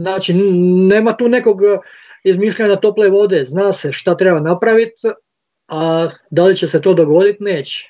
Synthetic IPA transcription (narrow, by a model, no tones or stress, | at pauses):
naːt͡ʃine̞ːmat̪uːne̞ko̞ɡ | izmiːʃʎaɲat̪o̞pleʋo̞d̪eznaːseʃt̪at̪ɾebanapɾaʋit̪ | ad̪alit͡ɕe̞se̞t̪o̞ːd̪oɡo̞d̪it̪ne̞ːt͡ɕe̥